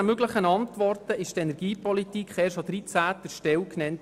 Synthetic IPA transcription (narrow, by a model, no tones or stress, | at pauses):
əmøɡləχənɑntʋɔrtəʔɪʃtɛnɛɾɡ̥iːpɔlitikχɛːɾʃod̪ɾit͡sæːtəʃtɛlknɛnt